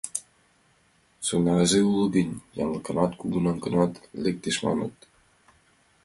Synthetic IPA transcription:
sonɑɾɑzeulˠɤ̆ɡənʲjɑ̰nˠɤ̆kɤ̆nɑt̪kuɡunɑnkɤ̆nɑt̪lʲek̚t̪eʃmɑ̰nɤ̰t̪

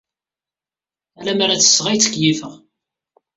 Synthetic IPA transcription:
ælæmaɾat͡sːə̥sːʁæjt͡sːə̥kjifəʁ

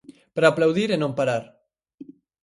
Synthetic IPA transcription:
pɾaːplawðiɾenõmpaɾaɾ

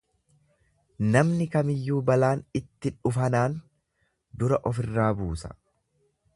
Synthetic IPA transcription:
nɐmnɪkɐmɪjːuːbɐlaːnɪt̪ːɪᶑʊfɐnaːn | d̪ʊɾɐʔɔfɪrːaːbuːsɐ̥̰

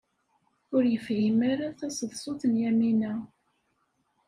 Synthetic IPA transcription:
ʊɾjəfʕimaɾaθæsəðˤsˤʊθənjæminæ

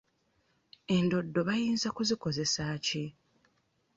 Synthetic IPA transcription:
e̞ndo̞dːo̞βajiːnzakuziko̞ze̞saːci

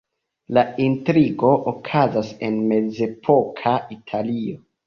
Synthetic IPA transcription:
laintɾiɡo̞ʔokʰazase̞nme̞d͡ze̞pʰo̞kʰaitʰalio̞

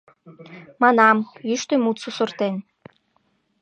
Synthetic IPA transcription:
mɑnɑmjyʃt̪ø̆mut̪susə̆rt̪en

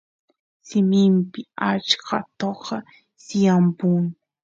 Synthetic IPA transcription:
sɪmɪmpɪat͡ʃkɑt̪oqɑ | sjampʊŋ

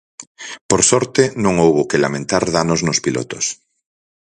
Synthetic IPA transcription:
poɾsɔɾt̪enõŋowβokelamẽnt̪aɾðanoznospilo̰t̪os

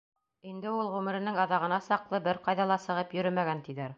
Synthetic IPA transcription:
ind̪ɘulˠʁʉmɘ̆ɾɘ̆nɘŋɑðɑʁɤ̆nɑsɑqlˠɤbɘɾqɑjðɑlˠɑsɤ̆ʁɤpjɵ̆ɾɵmæɡænt̪iðæɾ

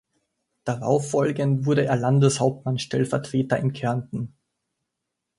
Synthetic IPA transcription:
d̥aʁa̰ʊfːɔlɡəntv̥ʊɐɾəeːɐlandəshaʊp̚tmanʃtɛlfɛɐtʁ̥eːtɐɪnkʰɛɐntn̩

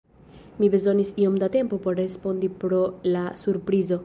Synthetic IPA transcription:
mibezonisiomd̪at̪empopoɾɾespond̪ipɾolasuɾpɾizo

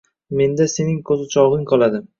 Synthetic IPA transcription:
me̞nd̪ase̞nɪŋkʰɵzɪt͡ʃʰɒʁɨŋqʰɒlˠad̪ɪm

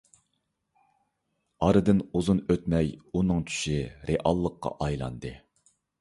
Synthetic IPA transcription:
ɑɾɨd̪ɨnuzunøt̪mɛjunɨŋt͡ʃʰy̥ʃiɾeʔɑlˠːəqːɑ̰ʔɑjlˠɑ̰nd̪ɨ

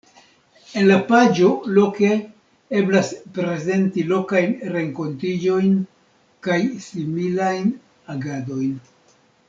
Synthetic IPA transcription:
e̞nlapad͡ʒo̞lo̞ke̞ | e̞blaspɾe̞ze̞ntilo̞kajnɾe̞ŋko̞ntid͡ʒo̞jn | kajsimilajn | aɡado̞jn

